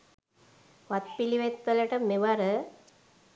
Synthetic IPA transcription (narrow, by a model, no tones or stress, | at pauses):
ʋat̪̚piliʋet̪ːələʈəmeʋaɾə